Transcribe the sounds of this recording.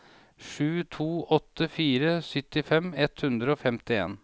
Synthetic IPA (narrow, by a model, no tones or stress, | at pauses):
ʂʉːt̪ʰuːʔɔt̪ːəfiːɾəsʏt̪ɪfɛmɛt̪hʉnd̪ɾəoːfɛmt̪ɪḛːn